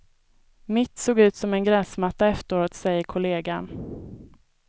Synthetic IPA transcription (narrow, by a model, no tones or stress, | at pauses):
mɪt̪ːsoːɡʉ̟ːt̪sɔmɛnɡɾɛːsmat̪ːaɛft̪əɾoːt̪sɛjːəkʰʊleːɡan